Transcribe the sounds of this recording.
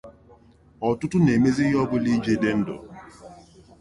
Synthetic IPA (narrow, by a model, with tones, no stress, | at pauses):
ɔ˨tʊ˦tʊ˦ne˨me˦zi˦jɔ˦bʊ˦li˦d͡ʒe˦de˦n̩˦do̰˨